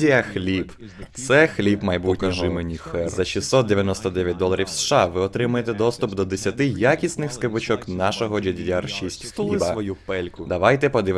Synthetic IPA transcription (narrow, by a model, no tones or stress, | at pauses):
ijɐxlʲib | t̪sɛxlʲibmɐjbukɐʒɪmenʲixɛzɐʃisːɔt̪̚d̪eʋʲjɐnɔst̪ɔd̪ɛʋʲjɐt̚ʲd̪ɔlˠɐɾʲiwsʃɑʋɪɔt̪ɾɪmʊjet̪ɛd̪ɔst̪ʊpd̪ɔd̪esʲɐt̪ɪjakʲisʲnɪxskɪbʊt͡ʃɔknɑʃɔɦɔd͡ʒɐdʲijʲarʃisʲtʲxlˠibɐʋɔjupɛlʲkʊd̪ɐʋɑjt̪ɛpɔd̪ɪʋ